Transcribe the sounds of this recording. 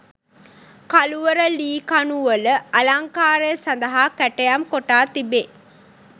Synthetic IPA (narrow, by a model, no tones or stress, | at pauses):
kaluʋəɾəliːkanuʋələʔɐlaŋkaːɾəjəsand̪ɐɦakæʈejamkoʈaːt̪ibe